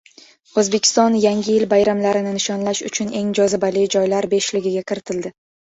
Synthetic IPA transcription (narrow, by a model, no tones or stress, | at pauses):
ozbe̞kʲʰɪ̥st̪ɒnjaŋɡʲɪjɪlbajɾamlaɾɪnɪnɪʃɒnlaʃʊ̰t͡ʃʰʊne̞ŋd͡ʒɒzɪbalɪd͡ʒɒjlaɾbe̞ʃlɪɡʲɪɡʲakʲʰɪɾɪt̪ʰɪld̪ɪ